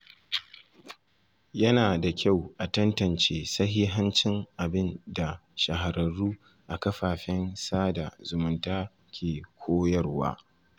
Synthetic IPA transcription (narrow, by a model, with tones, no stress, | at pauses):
jɐ˦naː˨da˨kʲa˦˨wʔa˨tɐ˦ntɐ˨nt͡ʃeː˦sɐ˦ɦiː˦ɦa˦nt͡ʃɪ˦ŋʔa˨bɪ˦nda˨ʃɐ˨ɦa˨ɾɐ˨ɽuː˦ | ʔa˨kɐ˦ɸaː˨ɸɪ˦nsaː˦da˨zʊ˨mʊ˨ntaː˦ | kʲʰeː˨kʷʰoː˦jɐ˦˨rwa̰ː˦